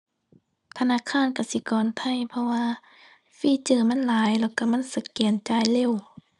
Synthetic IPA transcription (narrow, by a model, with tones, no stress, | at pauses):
t̪ʰa˧naː˧˥˨kʰaː˧˥˨nka˧˩si˧˦kɔː˨nt̪ʰa˧˨jpʰɔ˧waː˧ | fiː˧˥˨t͡ɕɤː˧˩ma˧˥˨nlaː˨˦jlɛ˧˩wka˧˩ma˧˥˨nsa˧˦kɛː˨˩nt͡ɕaː˧˩˨jle˧˥˨w